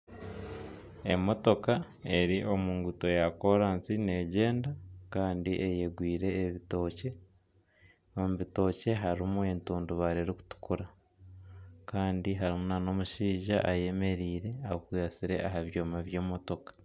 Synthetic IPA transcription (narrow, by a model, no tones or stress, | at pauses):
e̞̰mo̞to̞ka | e̞ɾiʔo̞muːŋɡuto̞jako̞ɾaːnsine̞ɟe̞ːndakaːndiʔeje̞ɡwiːɾe̞ːβito̞ːce̞ | omuβito̞ce̞ɦaɾimue̞ntuːnduβaɾeɾiku̥tu̥kuɾa | kaːndiɦaɾimunano̞muʃiːʒaʔaje̞me̞ɾiːɾe̞aokujasiɾe̞̰ʔaɦaβjo̞ːmaβje̞ːmoto̞kḁ